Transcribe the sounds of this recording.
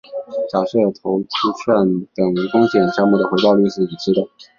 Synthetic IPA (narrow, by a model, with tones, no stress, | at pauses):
ɕjɑ˨˩ʊʂɤ˥˩t̪ʰo˧˥ʊt͡ɕʰu˥ʈ͡ʂʰwa˥˩nt̪ə˨˩ŋɻə˧˥ŋfʊ˥ŋɕʰjɛ˨˩nɕjɑ˥˧ŋmu˥˩d̪ə˩xwe˧˥ɪp̪ɑ˥˧ʊly˥˧ʂɻ̩˥˩i˨˩ʈ͡ʂʰɻ̩˥d̪ə˨˩